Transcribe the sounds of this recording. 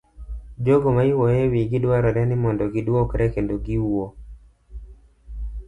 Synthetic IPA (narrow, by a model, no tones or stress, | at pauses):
d͡ʒoɡɔmaiwɔjɛwiɡɪdwaɾaɾɛnɪmɔndɔɡɪdwɔkɾɛkendɔɡiuo